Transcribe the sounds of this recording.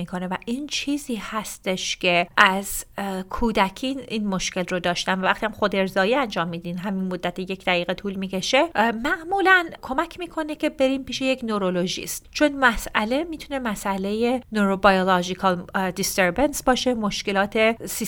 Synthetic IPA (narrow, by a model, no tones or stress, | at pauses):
iːkʰo̞nevæʔiːnt͡ʃʰiːziːhæst̪eʃcʰe̞ʔæzkʰuːd̪ækʲʰiːnʔiːnmoʃce̞lrod̪ɒːʃt̪ænvævæχt̪iːhæmχod̪eɾzɒːjiːænd͡ʒɒːmːiːd̪inɦæminmod̪ːæt̪ʰeje̞cd̪æɣiːɣet̪ʰuːlmiːce̞ʃe̞mæʔmuːlænkʰo̞mæcʰmiːkʰo̞ne̞cʲʰe̞be̞ɾiːmpiːʃejecʰnoɾoloʒḭːst̪t͡ʃʰonmæsʔæle̞miːt̪ʰune̞mæsʔæle̞jenoɾobɒjolɒd͡ʒikʰɒld̪ist̪eɾbensbɒːʃe̞mo̞ʃke̞lɒːt̪ʰe̞si